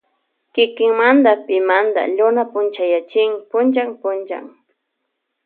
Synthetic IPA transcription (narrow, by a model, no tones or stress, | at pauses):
kɪkɪŋmand̪apɪmand̪a̰ʎʊnapʊnt͡ʃajat͡ʃɪŋpʊnt͡ʃaŋpʊnt͡ʃa̰ŋ